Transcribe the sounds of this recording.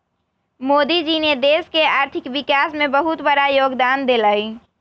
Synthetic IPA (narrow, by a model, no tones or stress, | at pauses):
moːd̪id͡ʒined̪eskeaːɾt̪ʰikʋikasmebəɦut̪bəɾajoːɡd̪aːnd̪eləj